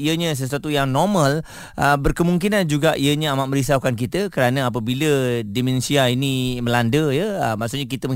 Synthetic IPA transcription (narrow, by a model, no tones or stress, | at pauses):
iəɲəs̬əsuwat̪ujaŋnɔmə̃l | ʔəbərkəmuŋkinand͡ʒuɡaʔiəɲəamaʔməɾisaukankit̪əkəɾanəap̬əbilədimɛnsiainimə̃landəjəəmaʔsuʔɲakit̪əmə